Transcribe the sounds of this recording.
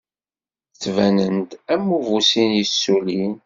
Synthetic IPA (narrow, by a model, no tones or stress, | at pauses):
θt͡sːvænənt̪æmːuvusinjəsːulin